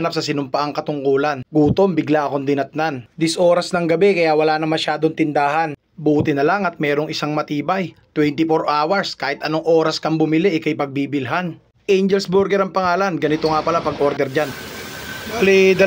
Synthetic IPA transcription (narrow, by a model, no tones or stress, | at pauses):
nap̚sɐsɪnʊmpɐʔaŋkɐt̪ʊŋkoːlɐnɡuːt̪o̞mbɪɡlaʔɐko̞nd̪ɪnɐt̪̚nand̪ɪsʔo̞ːɾɐsnɐŋɡɐbɛkɐjawɐlaːnɐmɐʃaːd̪oŋt̪ɪnd̪aːɦɐn | buːt̪ɪnɐlaŋɐt̪̚mɛːɾoŋɪsaŋmɐt̪iːbɐjt̪wɛnt̪ɪfoɾʔaːwɐɹskaːhɪt̪ʔɐno̞ŋʔo̞ːɾɐskɐŋbʊmɪliʔɛkɐjpɐɡ̚bibɪlɦan | ʔɛjnd͡ʒɛlsbʊɾɡɛɾɐŋpɐŋaːlɐnɡɐnɪt̪oŋapɐlapɐɡʔo̞ɾd̪ɛɾd͡ʒan | balid̪ɐ